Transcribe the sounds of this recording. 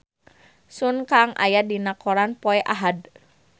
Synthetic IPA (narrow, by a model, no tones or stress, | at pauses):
sunkaŋʔa̰jadinakɔɾanpɔɛʔaɦad